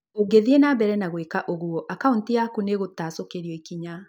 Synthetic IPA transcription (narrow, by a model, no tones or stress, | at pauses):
oɡeðienabɛɾɛnaɣwekaʔoɣuɔʔakauntiakuneɣotasokeɾiɔikiɲa